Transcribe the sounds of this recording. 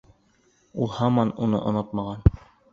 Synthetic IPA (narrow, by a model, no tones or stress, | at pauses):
ulˠhɑmɑnunɤ̰ʔŏnɤt̪mɑʁɑn